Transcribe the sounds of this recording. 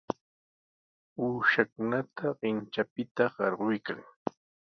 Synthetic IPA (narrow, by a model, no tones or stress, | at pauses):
uːʃakʊnat̪ʰaɢɪnt͡ʃapɪt̪aɢɑɾɢʊjka̰ŋ